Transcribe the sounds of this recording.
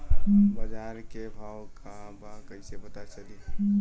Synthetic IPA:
bəd͡ʒaːɾkebʱaːwkabakəisebət̪at͡ʃəli

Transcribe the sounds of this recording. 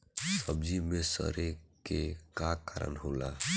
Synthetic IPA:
səbd͡ʒimẽsə̰ɾekekakaːɾə̰nɦoːlaː

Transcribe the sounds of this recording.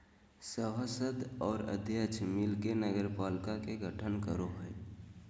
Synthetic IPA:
səwəsəd̪ɔːɾə̰d̪ʱjət͡ʃʰmilkenəɡəɾpaːlkakeɡʱəʈʰənkəɾoɦəɛ

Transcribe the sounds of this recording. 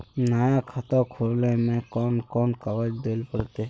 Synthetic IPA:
najãːkʰat̪aːkʰolneːmẽːkɔːnkoːnkəʋəd͡ʒd̪eːlpəɾt̪eː

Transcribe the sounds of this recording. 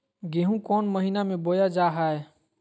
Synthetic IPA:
ɡeɦũkɔnməɦinamebojad͡ʒaɦae

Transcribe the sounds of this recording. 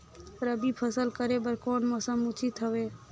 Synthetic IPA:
pɾəbʱipʰəsəlkəɾebəɾkoːnmɔsəmut͡ʃit̪ɦəʋeː

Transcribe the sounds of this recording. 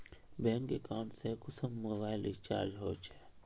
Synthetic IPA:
bɛ̃ːŋkekaːɳʈsekʊsəmːoːbaːɪlɪst͡ʃa̰ːɾd͡ʒɦoːt͡ʃe̥

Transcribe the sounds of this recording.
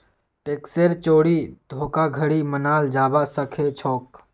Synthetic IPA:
ʈeːkseɾt͡ʃoːɽid̪ʱoːkaɡʱəɽimənaːld͡ʒaːbasəkʰet͡ʃʰoːk

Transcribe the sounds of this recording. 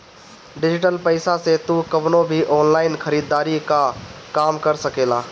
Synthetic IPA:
ɖɪd͡ʒɪʈəlpəɪsaset̪ukəbnobʱiʔɔːnlaːɪnkʰəɾiːd̪ːaːɾikakaːmkəɾsəkeːlaː

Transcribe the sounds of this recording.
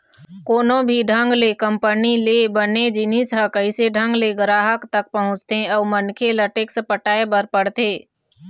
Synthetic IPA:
koːnõbʱiɖʱə̃ŋɡlekəmpənilebəned͡ʒinisɦəkəɪseɖʱə̃ŋɡleɡəɾaːɦəkt̪ək̚pəɦʊ̃t͡ʃt̪eəːmənkʰeləʈeksəpəʈaːebəɾpəɽt̪eː

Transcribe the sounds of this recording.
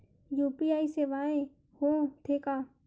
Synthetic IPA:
juːpiaːiseʋaːẽ | hõːt̪ʰekaː

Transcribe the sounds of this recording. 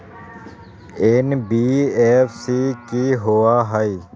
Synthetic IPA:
eːnbiːeːfsikiɦoaɦəi

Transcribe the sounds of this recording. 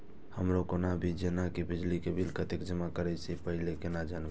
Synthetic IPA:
həmɾokonabʱid͡ʒenakibid͡ʒlikebʱilkət̪ekd͡ʒəmakəɾɛsipəɦɪlekenad͡ʒanbe

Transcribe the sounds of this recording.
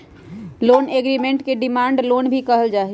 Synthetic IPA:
loːneɡɾimẽɳʈkeɖimaːɳɖloːnbʱikəɦəld͡ʒaːɦɛ

